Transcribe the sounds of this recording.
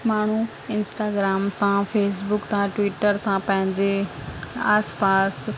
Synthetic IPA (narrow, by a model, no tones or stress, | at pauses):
maːɳ̤u | ɪnsʈaːɡɾaːmt̪ʰãfeːs̬bʊkt̪ʰãʈʋiːʈəɾt̪ʰãpɐ̃ɦɪ̃ɲd͡ʑe | aːspaːs